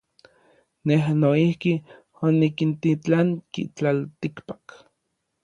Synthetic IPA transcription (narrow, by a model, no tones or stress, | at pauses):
neɦnoihki | onikint̪it͡ɬaŋkḭt͡ɬalt̪ikpḁk